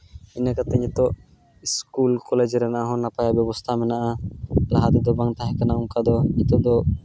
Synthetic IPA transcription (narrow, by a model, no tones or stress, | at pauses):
inɛkat̪ɛɲɛt̪ɔʔ | iskulkɔled͡ʒɾɛnaʔaɦɔ̃napajabɛbɔst̪ʰamɛnaʔalaɦad̪ɛd̪ɔbaŋt̪aɦɛ̃kanauŋkad̪ɔɲit̪ɔd̪ɔ